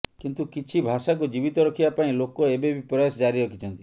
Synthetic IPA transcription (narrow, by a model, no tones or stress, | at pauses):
kint̪ukit͡ʃʰibʱasak̬ud͡ʒibit̪ɔɾɔkʰibapaĩlokɔebebipɾɔjasɔd͡ʒaɾiɾɔkʰit͡ʃʰɔnt̪i